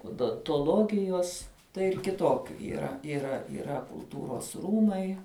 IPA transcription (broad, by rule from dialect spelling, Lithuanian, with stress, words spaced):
oːdoːntoːˈlˠoːɡʲɪjoːs tɐɪ ɪr kʲɪˈtoːkʲʊ iːˈrɐ iːˈrɐ iːˈrɐ kʊlˠˈtuːroːs ˈruːmɐɪ